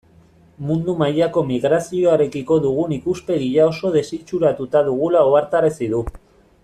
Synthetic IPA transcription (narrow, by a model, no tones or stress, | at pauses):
mund̪umajako̞miɣ̞ɾasio̞aɾe̞kiko̞ðuɣ̞unikuspe̞ɣiʎao̞so̞ð̞e̞sit͡ʃuɾat̪ut̪aðuɣ̞ulaoaɾt̪aɾesiðu